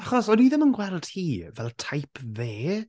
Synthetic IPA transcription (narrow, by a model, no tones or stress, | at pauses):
aχɔsɔniðəmənɡwɛld̥hiːvɛlˠtʰajpʰveː